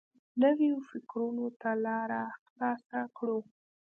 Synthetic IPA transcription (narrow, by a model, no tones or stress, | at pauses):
nəwjofɪkɾunot̪alɑɾaxlɑsakɽu